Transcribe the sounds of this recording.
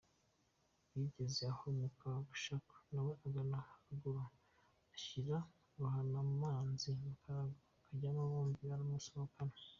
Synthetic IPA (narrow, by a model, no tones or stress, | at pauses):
jiɟezeahomukaɡuʃaku̥naweʔaɡanahaɡuɾa | açiɾa | ɾuhanamaːnziβakʰaɾaɡo | kʰaɟamaβoːmbiβaɾamusiwakana